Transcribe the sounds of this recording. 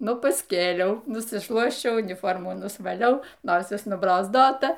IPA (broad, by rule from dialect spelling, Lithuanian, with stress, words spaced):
ˈnʊ pɐsʲˈkʲeːlʲɛʊ nʊsʲɪˈʃlˠuɔsʲt͡ʃʲɛʊ ʊnʲɪˈfoːrmuː nʊsʋɐˈlʲɛʊ ˈnoːsʲɪs nʊbroːzˈdoːtɐ